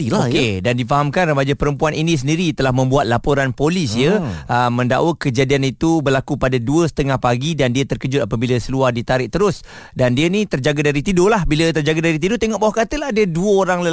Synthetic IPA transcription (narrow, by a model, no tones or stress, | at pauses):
ilakedandifaɦamkanrəbad͡ʒapəɾəmpuaninĩs̬əndiɾit̪əlahmə̃mbuat̪̚lapoɾanpolisjəəmə̃nda̰ʔwəkəd͡ʒadianit̪ubərlakupadaduəsə̥t̪əŋahpaɡidandiat̪ərkəd͡ʒʊt̪̚apəbilasəluahdit̪aɾɪʔ̚t̪əɾʊs | dandiənĩt̪ərd͡ʒaɡadaɾit̪idolahbilət̪ərd͡ʒaɡadaɾit̪̬idot̪eŋɔʔbawakat̪əlaɦdəduəoɾaŋlə